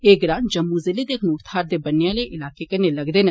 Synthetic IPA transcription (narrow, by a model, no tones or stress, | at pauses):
eːɡɾãːnd͡ʒɐmːuzɪled̪eːkʰnuːʈt̪ʰaːɾd̪eːbɐnːejãːleʔɪlaːkekɐnelɐɡd̪eːnə